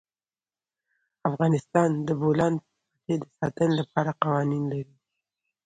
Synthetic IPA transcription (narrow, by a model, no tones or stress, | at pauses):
afɣɑnɪst̪ɑnd̪əbolɑnpəpaked̪əsɑt̪ənolapɑɾaqɑwɑninlaɾi